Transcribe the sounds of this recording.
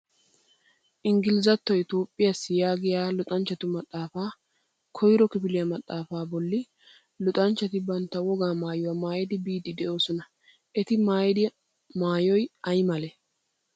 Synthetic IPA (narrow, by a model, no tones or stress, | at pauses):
ʔɪŋɡɪlɪzɐt̪ːɔjɪt̪oːpʼːɪjasːɪjaːɡɪjaːlʊt̪ʼɐnt͡ʃːɐt̪ʊmɐt̪ʼːaːfaː | kʰɔjɾɔkɪfɪlɪjɐmɐt̪ʼːaːfaːbɔlːɪ | lʊt̪ʼɐnt͡ʃːɐt̪ɪbɐnt̪ːɐwɔɡaːmaːjʊwɐmaːjɛd̪ɪbiːd̪ɪd̪ɛʔo̞ːsɔnɐ | ʔɛt̪ɪmaːjɛd̪ɪ | maːjɔjɐjmɐlɛ